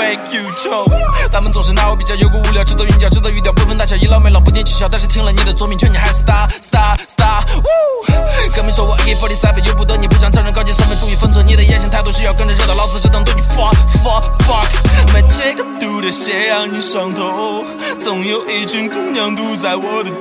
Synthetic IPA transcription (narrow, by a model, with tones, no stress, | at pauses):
e˧kʰju˧ʈ͡ʂo˧ʊt͡sʰa˥mə˨nt͡sʊ˨˩ŋʂ̬ɻ̩˥na˥˧wɔ˧˥˩pi˨˩t͡ɕjʊjo˧˩ʊkwɔ˥u˥ljɑ˨ʊʈ͡ʂ̩˥t͡s̪y˥˩t̪̬jɑ˨˩ʊʈ͡ʂ̩˥t̪ə˥˩t̪jɑ˨˩ʊpu˥fnt̪a˥˩ɕjɑ˨˩ʊi˧˥lɑ˥˧ʊme˧˥lɑ˨ʊp̬u˥t̪jɛ˥nt͡ɕʰy˨˩ɕɑ˥ʊt̪a˥˧ʂɻ̩˥t̪ʰi˥ŋlə˨˧ni˨˩d̪ə˨˩t͡swɔ˥˩mi˧ŋt͡ɕʰɔ˥˩ni˩xa˧˥ɪʂ̩˥˩t̪a˥st̪a˥st̪a˥wo˥kə˥nmi˧˥ʂwɔ˥wɔ˨˩ʔke˥˩fɔ˥li˧˥sa˥ɪfə˨˩jo˥ʊp̬u˧˥t̪ə˧˥ni˨˩p̬u˥˩ɕjɑ˨˩ŋʈ͡ʂʰɑ˥ŋɻə˧˥nkɑ˥t͡ɕjɛ˥˧ʂə˥nmə˧˥nʈ͡ʂu˥˧i˧˥˩fə˥nt͡sʰwɔ˧˥ni˨˩d̪ə˨jɛ˥˧nɕi˧˥ŋt̪ʰɪt̪u˥ʂɻ̩˥˧jʊkə˥nʈ͡ʂə˧ʈ͡ʂə˥˩d̪ə˨lɑ˥˧ʊt͡sɹ̩˥˧ʈ͡ʂɤ˥˧t̪ŋt̪ɔ˥˩i˧˥˩fɔ˥˩fɔ˥fɑ˥kma˧˩ɪʈ͡ʂə˥˧ɡə˨t̪u˧˥˩d̪ə˨˩ɕɛ˧˥jɑ˧˩ŋni˧˩ʂɑ˧˥ŋt̪ʰo˧˦˧ | t͡sʊ˨˩ŋjo˧˩ʊʔe˧ɪt͡ɕy˥nkʊ˧ŋnjɑ˧˥ŋt̪u˧t͡sa˧˥ɪwɔ˨˩˦d̪ə˨˧